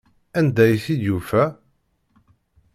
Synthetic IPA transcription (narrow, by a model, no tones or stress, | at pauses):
ænd̪æjθid̪jufæ